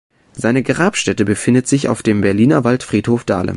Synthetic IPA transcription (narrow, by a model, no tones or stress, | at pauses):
z̥aɪnəɡʁaːpʃtɛtəbəfɪndətz̥ɪça̰ʊfd̥eːmbɛɐliːnɐvaltfʁ̥iːthoːfd̥a̰ːlə̰